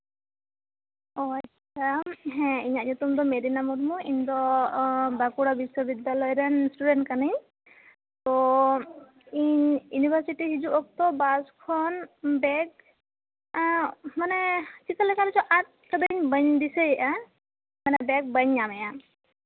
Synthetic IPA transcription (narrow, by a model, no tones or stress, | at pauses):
ɔa | amɦɛ̃iɲaɲɔt̪ɔmd̪ɔmed̪inamɔt̪muind̪ɔ | bakuɽabisːɔbid̪alɔjɾɛnsʈuɖɛntkanɯj | t̪ɔ | iɲjunibʱəɾsiʈiɦid͡ʒuɔk̚t̪ɔbaskʰɔnbɛk̚ | manɛt͡ʃik̪alakʰaɾisɔʔat̪̚kəd̪əɾiŋbəɲd̪iseja | manɛbɛk̚bəɲamɛja